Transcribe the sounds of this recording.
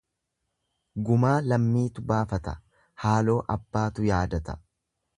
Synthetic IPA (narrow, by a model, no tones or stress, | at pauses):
ɡʊmaːlɐmːiːt̪ʊbaːfɐt̪ɐ | haːlo̞ːʔɐbːaːt̪ʊjaːd̪ɐt̪ɐ̥